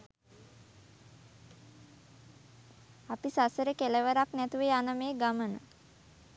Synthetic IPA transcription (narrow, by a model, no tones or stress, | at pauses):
apisasəɾəkeləʋəɾaknɛt̪uʋeanəmeːɡamənə